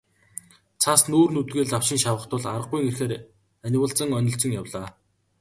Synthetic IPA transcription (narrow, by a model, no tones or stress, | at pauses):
t͡sʰasnuːrnut̪ɣeːɮaw̥ʃɪ̆ŋʃawə̆χt̪ʊ̆ɮaɾə̆q̚ɡujŋerxeːɾ | ænʲɪwəːɮɬt͡sə̆ŋœnʲɪ̆ɬt͡sɵ̆ŋjawɮaː